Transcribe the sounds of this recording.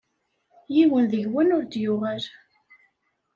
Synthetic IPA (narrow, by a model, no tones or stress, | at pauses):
jiwənðəʝwænʊɾd̪jʊʁæl